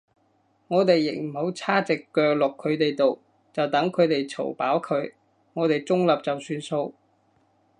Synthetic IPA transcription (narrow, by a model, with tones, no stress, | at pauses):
ŋɔː˨˧t̪e˨jːɪ˨k̚m̩˨˩ho˨˥wt͡sʰaː˥t͡sɪ˨kːœː˨˧k̚lʊ˨kʰːɵ˨˧t̪e˨jt̪o˨w | t͡sɐ˨wt̪ɐ˨˥ŋkʰɵ˨˧ɥt̪e˨jt͡sʰo̰˨˩wpaː˨˥wkʰɵ˨˧ɥ | ŋɔː˨˧t̪e˨jt͡sʊ˥ŋlɐ˨p̚t͡sɐ˨wsyː˧nso˧w